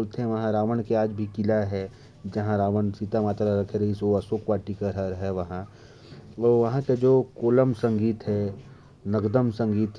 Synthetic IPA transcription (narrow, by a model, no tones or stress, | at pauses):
lt̪eɦɛ̃ʋɐɦãɾaːʋənkeaːd͡ʒbʱikɪlaɦɛ | d͡ʒɐɦãɾaːʋənsit̪amaːt̪ɾaɾɐkʰeɾɐɦisoɐsoːkʋaːʈikəɾəɾɦɛʋɐɦã | ɔʋɐɦãked͡ʒoːkoːləmsə̃ŋɡiːt̪ɦɛ | nəɡd̪əmsə̃ŋɡiːt̪